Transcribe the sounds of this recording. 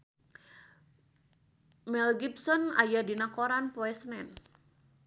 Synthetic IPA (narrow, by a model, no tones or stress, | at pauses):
mɛlɡipsɔna̰jadinakoɾanpoɛsənɛn